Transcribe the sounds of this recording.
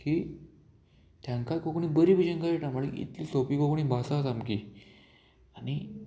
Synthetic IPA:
kiː | t̪ʰjãŋkakokɳiːbəɾiːbʱid͡ʑənkajeʈaməɭiḭt̪liːsopiːkokɳ̃ĩːbʱasat̪amkiː | ani

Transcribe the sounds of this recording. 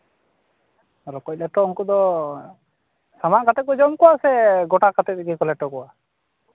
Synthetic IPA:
aɾɔkɔc̚lɛʈɔuŋkɔd̪ɔ | samankat̪ɛt̪̚kɔd͡ʒɔmkɔwasɛɡɔʈakat̪ɛt̪̚ɾɛɡikɔlɛʈɔkɔwa

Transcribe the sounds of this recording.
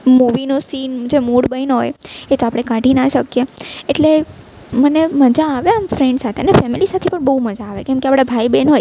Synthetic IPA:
muʋinosind͡ʒemuɽbəjnɦojet̪oapɽ̃ekãʈinaʃəkjeeʈle | məneməd͡ʒaːʋeamfɾɛɳɖsat̪ʰeənefɛmilisat̪ʰipəɳbəuməd͡ʒaːʋekɛ̃mkeapɽ̃abʱaibenɦoj

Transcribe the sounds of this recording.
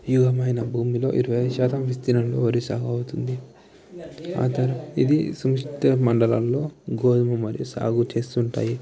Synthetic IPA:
juɡɐmɐjnɐbʱuːmilo̞̰ːʔiɾuʋɐjʃaːt̪ɐmʋist̪inɐmloːoɾisaːɡuɐwut̪und̪i | a̰ːt̪ɐɾɐḭd̪isumɐʂʈɐmɐɳɖɐlɐllo̞ːɡoːd̪ɐmumɐɾijusa̰ːɡut͡ʃe̞ːst̪uɳʈaːji

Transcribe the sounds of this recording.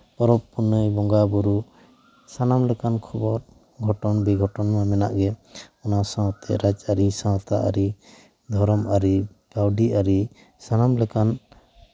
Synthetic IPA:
pɔɾɔppuɾnəjbɔŋɡabuɾu | sanamlɛkankʰɔbɔɾ | ɡʱɔʈɔnbiɡʱɔʈɔnmamɛna̰ʔɡɛɔnasãt̪ɛ̰ɾad͡ʒaɾisãt̪aʔa̰ɾi | d̪ʱɔɾɔmaɾi | ɡawɖiaɾi | sanamlɛkan

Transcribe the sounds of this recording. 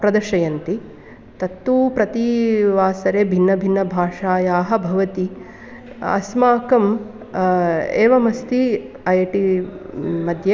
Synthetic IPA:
pɾɐd̪ɐʃɐjɐnt̪i | t̪ɐt̪ːuːpɾɐt̪iʋaːsɐɾeːbʱinːɐbʱinːɐbʱaːʂaːjaːɦɐ̆bʱɐʋɐt̪i | ɐ̰smaːkɐm | eːʋɐmɐst̪i | ɐjɐʈi | mɐd̪ʱje

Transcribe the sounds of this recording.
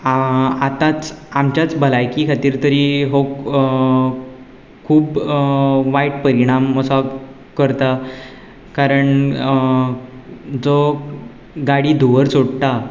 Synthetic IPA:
at̪at͡samt͡ɕjat͡sbəlajkikʰat̪iːɾt̪əɾiːɦok | kʰːuːb | ʋajʈ̚pəɾiɽ̃amːəsa | kəɾt̪a | kaɾəɳ | d͡zo | ɡaɽiːd̪ʱuʋəɾsoɽt̪a

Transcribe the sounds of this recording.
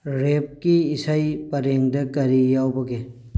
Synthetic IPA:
ɾep̚kiːsajpɐɾeŋdɐkɐɾijawbɐɡe

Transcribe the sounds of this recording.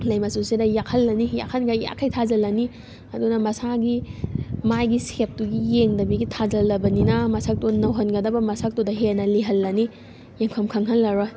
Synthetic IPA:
lɐjmɐsusedɐjakʰɐlːɐnija̰kʰɐnɡajja̰kʰːajtʰazɐlːɐni | ɐdunɐmɐsaɡi | majɡisep̚tuɡijeŋdɐbiɡitʰazɐlːɐbɐninɐmɐsak̚tonɐwɦɐnɡɐdɐbɐmɐsak̚todɐɦenɐliɦɐlːɐni | jeŋpʰɐmkʰɐŋɦɐnlɐɾɔ

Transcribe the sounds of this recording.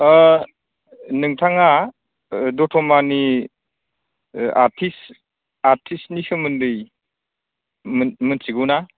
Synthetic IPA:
nɯŋtʰaŋa | dɔtʰɔmani | a̰ɾtʰis | aɾtʰisnisɯmɯndɯj | mmɯnsiɡɯwna

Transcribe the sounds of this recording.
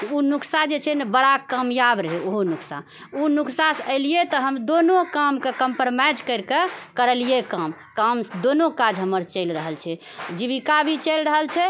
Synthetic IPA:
unuksad͡ʒet͡ʃʰɛnebəɽakamjabɾəɦeoɦonuksa̰ | unuksasəɪlijet̪ɔɦəmd̪onokamkekəmpəɾmajd͡ʒkəɪɾkekəɾəlijekam | kamsd̪onokad͡ʒɦəməɾt͡ʃəɪlɾəɦəlt͡ʃʰɛ | d͡ʒiβikabʱit͡ʃəlɾəɦəlt͡ʃʰɛ

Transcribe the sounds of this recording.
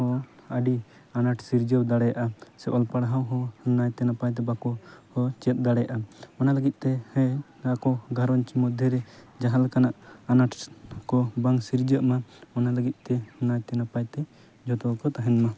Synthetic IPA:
ɔ̃əɖi | anaʈʰsiɾd͡ʒəwd̪aɽɛjaʔasɛʔɔlpaɽɦãwɦɔ̃najt̪ɛnapajt̪̬ɛbakɔhɔt͡ʃɛt̪̚ˀd̪aɽɛjaʔaɔnaləɡit̪̚ˀt̪ɛhɛ | akɔɡʱaɾɔnt͡ʃimɔd̪ʱjɛɾɛ | d͡ʒaɦalkanaʔanaʈʰkɔbaŋsiɾd͡ʒəʔmaɔnaləɡit̪̚ˀt̪ɛɔnajt̪ɛnapajt̪ɛ | d͡ʒʱɔt̪ɔwkɔt̪aɦɛnma

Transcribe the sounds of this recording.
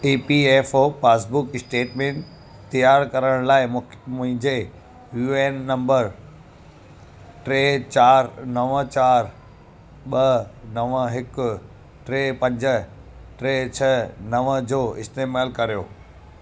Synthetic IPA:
iːpieːfoːpaːsbʊkɪsʈeːʈmẽːɳʈ | t̪ijaːɾkɐɾəɽ̃laːɪmʊ̃ɦɪ̃ɲd͡ʑe | juːeːnːɐ̃mbəɾ | ʈɾeːt͡ɕaːɾnɐʋət͡ɕaːɾ | ɓɐnɐʋəɦɪkʊ | ʈɾeːpɐ̃ɲd͡ʑəʈɾet͡ɕʰɐnɐʋəd͡ʑoːɪst̪eːmaːlkɐɾijo̰ː

